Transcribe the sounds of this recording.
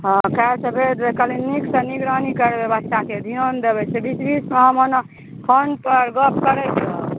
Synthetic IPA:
ɦɔ̃kasəbʱed̪bekəlinniksəniɡɾənikəɾbebəst̪ʰaked̪ʱijənd̪ebɛt͡ʃʰebisbismeɦəmən | pʰənpəɾɡəp̚kəɾɛt͡ʃʰo

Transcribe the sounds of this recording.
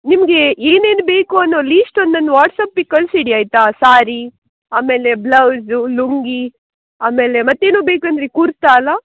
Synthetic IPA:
nimɐɡe̞eːneːnubeːkuɐnːoɐliːsʈond̪ond̪ʋaːʈsaːpːikːɐlsiɽiaːjt̪asaːɾi | aːme̞ːle̞blɐwzuluŋɡi | aːme̞ːle̞mɐt̪ːe̞ːnuːbeːkuɐnd̪ɾekuɾt̪aːlːa

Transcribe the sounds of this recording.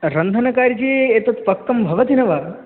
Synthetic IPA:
ɾɐnd̪ʱɐnɐkaːɾd͡ʒiet̪ɐt̪pɐkːɐmbʱɐʋɐt̪inɐʋa

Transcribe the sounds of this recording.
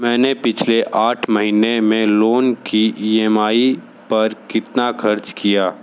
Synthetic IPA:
mɛ̃ːnepɪt͡ʃʰleʔaːʈʰmɐɦiːnemẽloːnkiʔiːɛmaːi | pɐɾkɪt̪naxʰɐɾt͡ʃkijaː

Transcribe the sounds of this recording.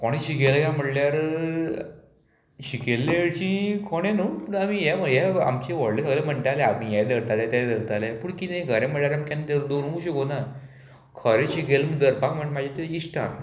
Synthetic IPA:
koɽ̃ẽɕikelajam̤əɽljaɾ | ɕikelːeɽɕĩkoɽ̃ẽnupuɳamijɛməjɛa̰mt͡ɕeʋɔɽlesəɡlem̤əɳʈ̪aleaĩjɛjd̪əɾt̪alet̪ajd̪əɾt̪alepuɳkit̪ẽĩɡʱəɾẽm̤əɽljaɾamkant̪eɾd̪oɾũɕəkona | kʰəɾẽɕikelməd̪əɾpakm̤əɳʈmad͡ʑʱet̪eisʈaɾ

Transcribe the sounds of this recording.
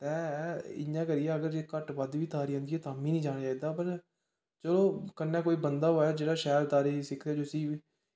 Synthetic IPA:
t̪ɛ̃ːɪ̰jãːkəɾɪːɛːəɡəɾd͡ʒeːkəʈʋəd̪ʋiːt̪aːɾiːə̃ːnd̪iɛːt̪aːmĩːnĩːd͡ʒaːnːaːed̪aːpəɾ | t͡ʃəlõːkənːɛ̃ːkoːiːbənd̪aːɦoːaːd͡ʒeːɽaːʃɛːlt̪aːɾiːsɪkʰd̪ɛːd͡ʒosiː

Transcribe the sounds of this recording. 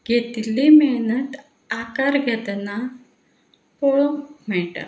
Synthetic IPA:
ɡʱet̪limenət̪ | akaɾɡʱɛt̪na | poɭom̤ɛɭʈə̰ɾ

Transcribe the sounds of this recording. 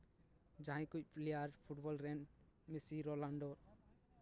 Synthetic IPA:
d͡ʒãɦĩkuc̚pʰleaɾpʰuʈbɔlɾɛnmisiɾɔlãɳɖɔ

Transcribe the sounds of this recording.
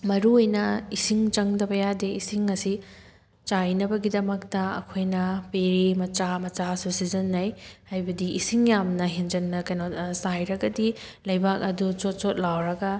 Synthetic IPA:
mɐɾuojnɐisiŋt͡ʃɐŋdɐbɐjadeisiŋːɐsi | t͡ʃajnɐbɐɡidɐmɐk̚tɐɐ̰kʰojnɐpeɾimɐt͡ʃamɐt͡ʃasusizɐnːɐjhajbɐdiʔisiŋjamnɐɦind͡ʒɐnːɐkɐjnosajɾɐɡɐdilɐjbak̚ɐdut͡ʃot̚t͡ʃot̚lawɾɐɡɐ

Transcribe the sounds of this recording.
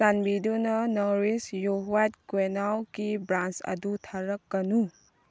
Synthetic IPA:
sanbidunɐnɔɾisjoɦwat̚kwenawkibɾansɐ̰dutʰaɾɐkːɐnu

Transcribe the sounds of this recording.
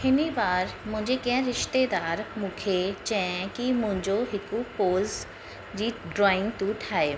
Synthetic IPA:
ɪnibaːɾmʊ̃ɲd͡ʒekɛ̃ɾɪʃt̪ed̪aːɾmʊkʰet͡ʃɛ̃kimʊ̃ɲd͡ʒoɦɪkupoːz | d͡ʒiːɖɾɔːɪ̃ŋɡt̪uʈʰaːe

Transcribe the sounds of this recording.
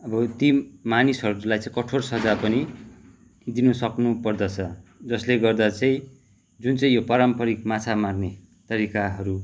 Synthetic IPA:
ʌbʌt̪imanisɦʌɾulajt͡sãĩkʌʈʰorsʌd͡zapʌni | d̪inusʌknupʌrd̪ʌt͡sʰʌd͡zʌsleɡʌrd̪at͡sʌĩ | d͡zunt͡sʌĩjopaɾʌmpʌɾikmat͡sʰamarne | t̪ʌɾikaɦʌɾu

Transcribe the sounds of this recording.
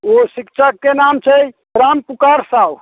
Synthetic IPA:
osikt͡ʃʰakːenamt͡ʃʰɛj | pɾampukaɾsab

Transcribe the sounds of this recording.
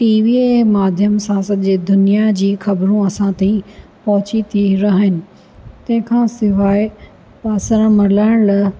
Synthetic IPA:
ʈiːʋiːemaːd̪ʱjəmsãsɐʄed̪ʊnijad͡ʑiːxɐbɾũɐsãt̪ipɐɦʊt͡ɕit̪ʰiɾɐɦɪnɪ̆ | t̪ɐ̃ɦɪ̃kʰãsɪʋaːɪ | paːsəɾmɐlaɽ̃lɐ

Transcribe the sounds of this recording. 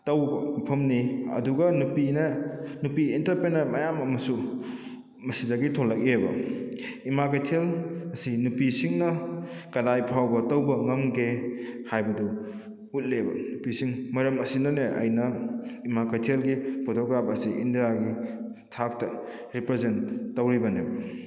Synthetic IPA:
tɐwbɐpʰɐmniɐ̰duɡɐnupinenupiːntɐɾpɾenɐɾmɐjamɐmɐsu | mɐsidɐɡitʰolːɐk̚ebɐ̰ | imakajtʰelɐsinupisiŋnɐkɐdajpʰawbɐtɐwbɐŋɐmɡehajbɐdu | ut̚lebɐ̰nupisiŋmɐɾɐmɐsinɐneʔɐ̰jnɐimakajtʰelɡipʰotʰoɡɾapʰɐsiindijaɡi | tʰak̚tɐ | ɾipɾezentːɐwɾibɐnebɐ

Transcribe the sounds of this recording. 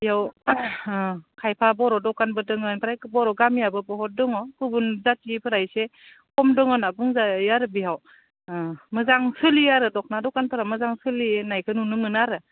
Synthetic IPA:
jaw | kʰajpʰabɔɾɔdɔkanbɯdɯŋɯnpʰɯɾajkɯbɔɾɔɡamijabɯbɔɦɔt̚dɯŋɔkɯbunzatipʰɯɾajse | kʰɔmdɯŋɔnabɯŋzajaɾɯbiɦaw | mɯzaŋsɯlijaɾɯdɔk̚nadɔkanpʰɯɾamɯzaŋsɯlinajkʰɯnunɯmɯnaɾɯ

